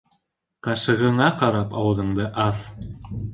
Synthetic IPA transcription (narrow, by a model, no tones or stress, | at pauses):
qɑʃɤ̆ʁɤ̆ɴɑqɑɾɑpɑwd̪ɤ̆ɴd̪ɤʔɑs